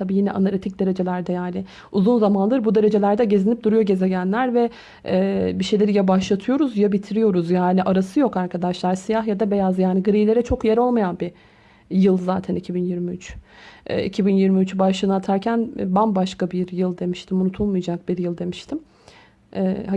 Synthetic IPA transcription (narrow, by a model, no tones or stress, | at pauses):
t̪ʰabiːjinɛ̰ʔanaɾit̪ʰic̚d̪e̞ɾe̞d͡ʒe̞lʲæɾd̪ɛjaːnɪ | uzunzamanlˠɯɾbud̪e̞ɾe̞d͡ʒe̞lʲæɾd̪ɛɟe̞zinip̚d̪uɾujo̞ɟe̞ze̞ɟænlʲæɾvɛ | ɛːbiʃe̞jlʲeɾijabaʃlˠat̪ʰɯjo̞ɾuzjabit̪ʰiɾijo̞ɾuzjaːniʔaɾasɯjo̞kaɾkʰad̪aʃlˠaɾsijaɦjad̪abe̞jazjaːniɡɯɾijlʲe̞ɾɛt͡ʃʰo̞kjeɾo̞lˠmajanbi | jɯlˠzaːt̪ʰænicʰibinjiɾmiyt͡ʃʔɛ̰ḭcʰibinjiɾmiyt͡ʃʰbaʃlˠɯnat̪ʰaɾcʰænbanbaʃkabiɾjɯlˠd̪e̞miʃt̪ʰimunut̪ʰulˠmujd͡ʒak̚biɾjɯlˠd̪e̞miʃt̪ʰim | ɛːa